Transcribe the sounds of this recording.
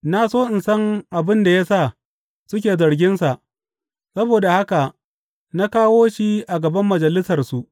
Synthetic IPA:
na˦soː˦ʔɪ˨nsɐ˦ŋʔa˨bɪ˦nda˨ja˦sa˦˨ | sʊ˦kʲeː˨zɐ˨ɾɡʲɪ˦nsa˨ʔ | sɐ˦boː˨da˨ha˦ka˨ | na˦kaː˦woː˦ʃi˦ʔa˨ɡɐ˨bɐ˦mːɐ˨d͡ʒɐ˨lɪ˦sɐ˨rsu˨ʔ

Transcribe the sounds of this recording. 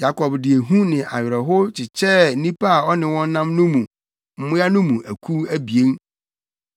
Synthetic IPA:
ja˦kʰɔ˨bdɪ˨e˨ɦũ˦nɪ̃˨ʔa˨ɥɪ˨ɾɛ˨ɦʊ˦t͡ɕʰɪ˨t͡ɕʰɛ˦nĩ˦pʰa˦a˨ɔ˦nɪ̃˨wɔ̃˦n˦nã˦mnʊ̃˦mũ˨ | m̩˦mʊ̃˦ja˦nʊ̃˦mũ˨ʔæ˨kʰu˦æ˦bi˨e˦ŋ

